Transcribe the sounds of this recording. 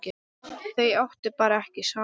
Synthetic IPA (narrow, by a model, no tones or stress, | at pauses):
cɪ | θejawht̪ɪpaːɾaɛhcɪsaː